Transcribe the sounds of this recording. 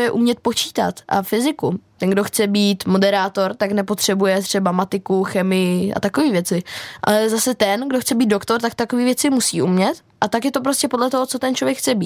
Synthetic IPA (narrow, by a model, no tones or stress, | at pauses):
jɛʔumɲɛt̪̚po̞t͡ʃi̥ːt̪a̰t̪ʔa̰fɪzɪkut̪ɛnŋɡdo̞xt͡sɛbiːt̪mo̞dɛɾaːt̪o̞ɾt̪aknɛpo̞t̪r̝̥ɛbujɛt̪r̝̥ɛbamat̪ɪkuxɛmɪjɪʔa̰t̪akoviːvjɛt͡sɪʔa̰lɛzasɛt̪ɛnɡdo̞xt͡sɛbiːd̪dokt̪o̞ɾt̪akt̪akoviːvjɛt͡sɪmusiːʔumɲɛt̪ | ʔat̪akjɛt̪op̬ɾo̞scɛpodlɛt̪oɦo̞t͡so̞t̪ɛnt͡ʃlo̞vjɛkxt͡sɛbiː